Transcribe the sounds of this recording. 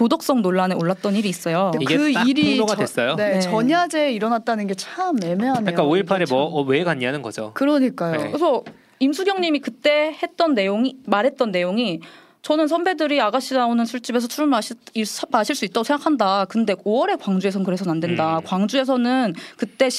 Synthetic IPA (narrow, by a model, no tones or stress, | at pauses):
kodok̚s͈ʌŋnoɭːaneoɭːat̚t͈ʌniɾiːs͈ʌjoieɯiɾioɡadwes͈ʌjoeʌɲad͡ʑeiɾʌnat̚t͈anɯnɡe̞t͡ɕʰamne̞meɦank͈aoiɭpʰaɾemwʌwe̞ɡaɲːianɯnɡʌ̰d͡ʑo̰kɯɾʌɲik͈ajo̰kesʰʌ | imsʰuɡjʌŋɲimikɯt͈e̞he̞t̚t͈ʌnːe̞joŋimaɾɦe̞t̚t͈ʌnːe̞joŋi | t͡ɕʌnɯnsʰʌmbe̞dɯɾiaɡaɕ͈inaonɯnsʰuɭt͡ɕ͈ibe̞s̬ʰʌt͡ɕʰuɾumaɕimaɕʰiɭs͈uit͈̚aɡosʰeŋɡakʰandakɯnde̞oʌɾe̞kwaŋd͡ʑue̞sʰʌnkɯɾe̞sʰʌnandwe̞ndakwaŋd͡ʑue̞s̬ʰʌnɯnkɯt͈e̞